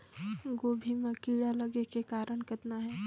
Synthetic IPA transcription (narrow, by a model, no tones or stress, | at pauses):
ɡoːbʱimẽkiːɽaləɡekekaːɾəɽkət̪naɦɛ